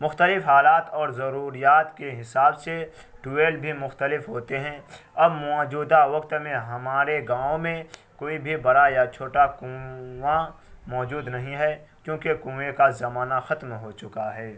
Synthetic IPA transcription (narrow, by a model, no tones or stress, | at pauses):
mʊxt̪əlɪfɦaːlaːt̪ɔːɾzɐɾuːɾijaːt̪keɦɪsaːbse | ɖueːlbʱimʊxt̪əlɪfɦoːt̪eɦɛ̃ːɐbmɔːd͡ʒuːd̪aʋɐkt̪mẽɦɐmaːɾeɡãːõmẽkoːibʱibɐɾajat͡ʃʰoːʈakũwa | mɔːd͡ʒuːd̪nɐɦĩɦɛkjõːkekũːwekazɐmaːnaxɐt̪mɦot͡ʃʊkaɦɛː